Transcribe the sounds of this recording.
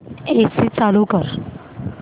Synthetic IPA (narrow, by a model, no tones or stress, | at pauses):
eksit͡salukəɾ